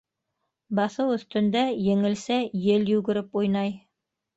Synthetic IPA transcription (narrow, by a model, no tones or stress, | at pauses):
bɑθɤwɵ̆θt̪ɵ̆nd̪æjɘ̆ŋɘ̆lsæjɘljʉɡɘ̆ɾɘpujnɑj